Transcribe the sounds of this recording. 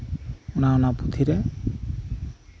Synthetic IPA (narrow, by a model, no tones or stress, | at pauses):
unaunabut̪ʰiɾe